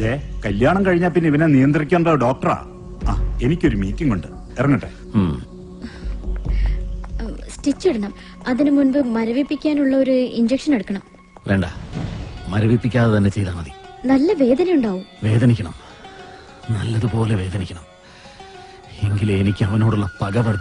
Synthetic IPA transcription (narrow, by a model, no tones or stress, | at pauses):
d̪eːkɐljaːɳɐmkɐɻiɲːaːlp̬inːeiʋɐnenijɐnd̪rikʲːaːnɖaɖo̞ːk̚ʈɐra̰ː | aːenikʲːo̞ɾumiːtːiŋːuɳɖɨ | erɐŋːɐʈːe | sʈit͡ɕːeɽɐɳɐm | ɐðinɨmunbɨmɐɾɐʋipːikʲːaːnuɭːɐo̞ɾuiɲd͡ʑekʂɐneɽukːɐɳɐm | ʋe̞ːɳɖa̰ː | mɐɾɐʋipːikʲːaːðɐt̪ɐnːe̞t͡ɕe̞jðaːnɐðinɐlːɐʋe̞ːd̪ɐnɐjuɳɖaːʋumʋe̞ːd̪ɐnikʲːɐɳɐm | nɐlːɐðupo̞ːleʋe̞ːd̪ɐnikʲːɐɳɐm | eŋɡilenikʲːɨɐʋɐnoːɽuɭːɐpɐɡɐpɐɽɐ